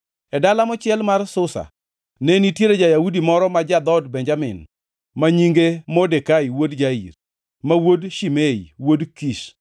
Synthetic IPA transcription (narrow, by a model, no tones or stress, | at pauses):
ɛdalamɔt͡ʃɪɛlmarsʊsa̰ | nenitjeɾed͡ʒajawudimɔɾɔmad͡ʒad̪ɔdbɛɲd͡ʒamɪ̰n | maɲiŋɡemɔdekaiwodd͡ʒaḭr | mawodʃimeiwodkiʃ